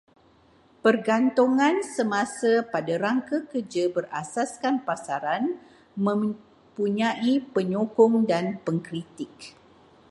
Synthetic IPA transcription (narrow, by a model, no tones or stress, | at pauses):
pərɡant̪uŋãnsəmãsapadaɾaŋkakərd͡ʒabərasaskanpasaɾan | mə̃m | puɲãʔipəɲokɔŋdanpəŋkɾit̪ɪk̚